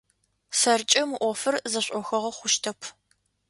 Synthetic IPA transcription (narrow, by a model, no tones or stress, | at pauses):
sɐrt͡ʃʼɐmɨʔʷɔfɨrzɐɕʷʼɔxɐʁɐχʷʊʃtʰɐpʰ